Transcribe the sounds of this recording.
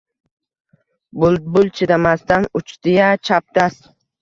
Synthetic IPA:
bʊlˠd̪̚bʊlˠt͡ʃʰɪɾamast̪anʊt͡ʃt̪ɪjat͡ʃʰap̚t̪as

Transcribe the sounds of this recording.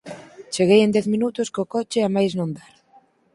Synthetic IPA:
t͡ʃeɣejend̪ɛθminut̪ʊskokot͡ʃeamajznõnd̪aɾ

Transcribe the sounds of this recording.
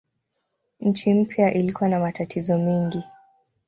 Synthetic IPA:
ɲ̩t͡ʃim̩pjaʔilikuwanamatatʰizɔmɛŋɡi

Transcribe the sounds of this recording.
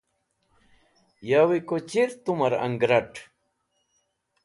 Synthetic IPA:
jawikot͡ʃiɾt̪ʊmaɾa̰ŋɡɾaʈ

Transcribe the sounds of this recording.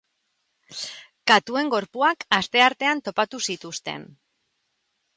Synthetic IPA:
kat̪ue̞ŋɡo̞ɾpuakast̪e̞aɾt̪e̞ant̪o̞pat̪usit̪ust̪e̞̰n

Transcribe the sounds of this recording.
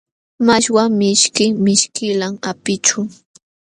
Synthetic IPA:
maʃwamɪʃkɪmɪʃkɪlamapɪt͡ʃʊ

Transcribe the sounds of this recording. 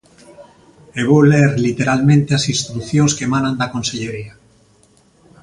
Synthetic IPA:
eβoleɾlit̪eɾalmẽnt̪easinst̪ɾuθjoŋskemanãnd̪akõnseʎeɾia

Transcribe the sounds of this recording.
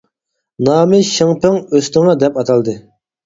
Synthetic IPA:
nɑːmɪʃəŋpɪŋøsnɪŋɑd̪ɛpɑt̪ʰɑlˠd̪ɨ

